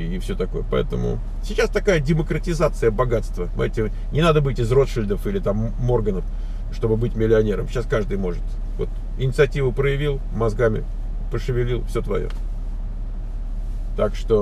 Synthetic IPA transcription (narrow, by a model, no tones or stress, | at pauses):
ɪfsʲɵ̞t̪ɐko̞̰jəpɐ̰ɛ̰t̪əmʊ̰ | sʲɪt͡ɕast̪ɐkajədʲɪməkɾətʲɪzat̪sɨjəbɐɡat̪st̪vəmɐ̰tʲɪ | nʲɪnad̪əbɨtʲɪzro̞t̪ʂɨlʲd̪əfilʲɪt̪amːo̞rɡənəf | ʂt̪obɨbɨtʲmʲɪlʲɪɐnʲeɾəmɕaskaʐd̪ɨjmo̞ʐɨt̪ | vo̞̰t̪ | ɪnʲɪt̪sɨɐtʲivʊpɾəjɪvʲilˠ | mɐzɡamʲɪ̰ | pəʂɨvʲɪlʲilˠfsʲo̞t̪vɐ̰jo̰ | t̪akʂt̪o̞